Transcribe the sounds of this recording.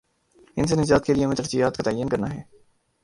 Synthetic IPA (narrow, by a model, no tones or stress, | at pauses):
ɪnsenɪd͡ʒaːt̪keliemẽːt̪əɾzijaːt̪̚kat̪aːjənkɐɾnaɦɛː